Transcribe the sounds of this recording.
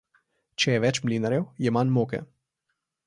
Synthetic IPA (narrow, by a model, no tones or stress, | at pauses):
t͡ʃɛjɛʋɛt͡ʃmlinaɾjɛwjɛmanmokɛ̰